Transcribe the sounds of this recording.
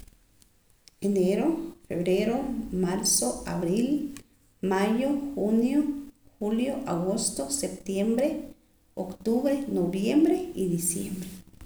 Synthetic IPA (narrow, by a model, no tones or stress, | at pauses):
eneɾofeβɾeɾomaɾsoaβɾil | majoxunjoxuljoʔaɣost̪osep̚t̪jembɾe | okt̪uβɾenoβjembɾeid̪isjembɾe